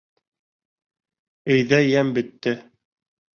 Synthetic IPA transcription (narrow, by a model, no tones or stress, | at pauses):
ɘ̆jðæjæmbɘ̆t̪ːɘ